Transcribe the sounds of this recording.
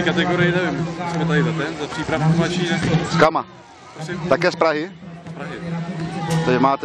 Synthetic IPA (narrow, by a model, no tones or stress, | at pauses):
kat̪ɛɡoɾɪjɛnɛvɪmsmɛt̪aɪzat̪ɛnzapr̥iːpɾafkumlat͡ʃiskama | t̪akɛːspɾaɦɪspɾaɦɪ | t̪ɛmaːt̪ɛ